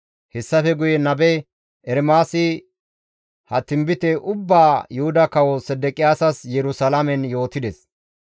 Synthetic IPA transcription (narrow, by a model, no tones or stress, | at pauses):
hɛsːɐfɛɡʊjɛnɐbɛ | ɛɾmaːsɪ | hɐt̪ːɪmbɪt̪ɛʔʊbːaːjʊhʊd̪ɐkɐwɔsɛd̪ɛkʼɪjaːsɐsjɛɾʊsɐlamɛnjo̞ːt̪ɪd̪ɛs